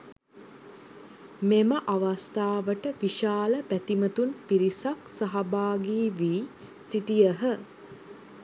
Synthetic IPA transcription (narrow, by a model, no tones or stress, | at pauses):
meməʔaʋast̪aːʋəʈəʋiʃaːləpæt̪imət̪unpiɾisaksaɦabaːɡiːʋiː | siʈijəɦə